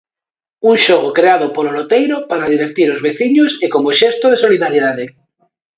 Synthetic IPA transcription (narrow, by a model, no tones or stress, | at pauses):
unʃoɣ̞okɾeað̞opoɾolot̪ejɾopaɾaðiβ̞eɾt̪iɾozβeθiɲosekomoʃest̪oð̞eso̞liðaɾjiðað̞e